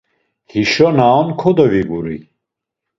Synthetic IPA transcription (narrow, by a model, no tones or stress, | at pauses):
hiʃɔnaɔnkʰɔd̪ɔviɡuɾḭ